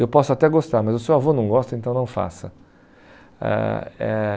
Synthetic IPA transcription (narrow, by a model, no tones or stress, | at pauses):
ewpɔsʊat̪ɛɡost̪aɾmɐzʊsewavonɐ̃w̃ɡɔst̪ɐẽnt̪ɐ̃w̃nɐ̃w̃fa̰sɐ | ɛ̰ɛ̰